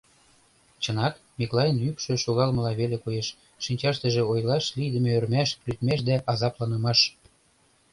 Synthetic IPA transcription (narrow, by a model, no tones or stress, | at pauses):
t͡ɕə̆nɑt̪ | mʲiklˠɑjənykʃø̆ʃoɣɑlmə̆lɑβelekojeʃː | inʲt͡ɕɑʃt̪ə̆ʒĕojlɑʃlid̪ə̆mĕørmæʃlyt̪mæʃ̬d̪æʔɑzɑplɑnɤ̆mɑʃ